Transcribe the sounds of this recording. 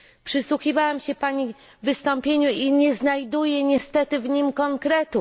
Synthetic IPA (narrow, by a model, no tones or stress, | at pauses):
pʂɘswuxʲivawamɕɛpaɲi | vɘst̪ɔmpʲjeɲuiɲɛznajd̪ujɛɲɛst̪ɛt̪ɘvɲimkɔŋkɾɛt̪u